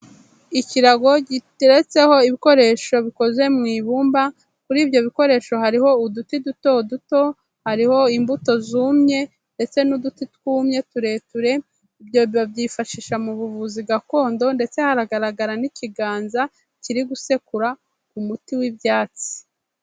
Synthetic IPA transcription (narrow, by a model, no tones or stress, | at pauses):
iciɾaɡo̞ɟitiɾet͡se̞ho̞iβiko̞ɾe̞ːʃo̞βiko̞zwe̞mŋiːβuːmba | kuɾiːbjo̞βiko̞ɾe̞ːʃo̞ɦaɾiho̞udutiduto̞duto̞ | haɾiho̞imbuto̞zuːmɲe̞ | nde̞t͡se̞nudutitkuːmɲe̞tuɾe̞ːtuɾe̞ | ibjo̞ββabɟiːfaʃiːʃamuβuvuziɡako̞ːndo̞nde̞t͡se̞haɾaɡaɾaɡaɾaniciɡaːnza | ciɾiɡuse̞kuɾa | kumutiwibjaːt͡si̥